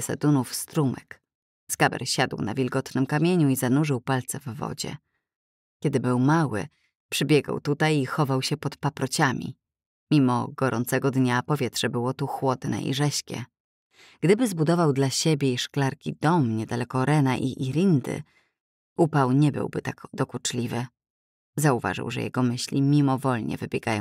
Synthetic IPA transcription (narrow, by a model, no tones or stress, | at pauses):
sɛ̰d̪unufst̪ɾumɛk | skabɛ̰ɾɕad̪wna̰vʲilɡɔt̪nɘmkamʲjeɲuizanuʐɘwpalt̪sɛvːɔ̰d͡ʑɛ̰ | kʲɛd̪ɘbɘwmawɘ̰ | pʂɘbʲjɛɡa̰wt̪ut̪ajixɔvawɕɛpɔt̪papɾɔt͡ɕamʲḭ | mʲimɔ̰ɡ̥ɔɾʔɔ̰nt̪sɛɡɔd̪ɲapɔvʲjɛt̪ʂɛbɘwɔt̪uxwɔd̪nɛ̰ʔḭʐɛɕkʲɛ̰ | ɡ̥d̪ɘbɘzbud̪ɔvawd̪laɕebʲjɛiʂklaɾkʲid̪ɔmɲɛd̪alɛkɔɾɛnaʔiʔiɾʲind̪ɘ̰ | upawɲɛbɘ̰wbɘt̪akd̪ɔkut͡ʂlʲivɘ | zauva̰ʐɘ̰wʐɛ̰jɛ̰ɡɔmɘɕlʲimʲimɔvɔlɲɛ̰vɘbʲjɛɡajɔ̰̃